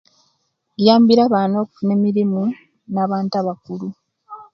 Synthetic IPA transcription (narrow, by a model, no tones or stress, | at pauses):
jaːmbiɾaβaːno̞ːkune̞miɾimu | naːβaːntaβakulu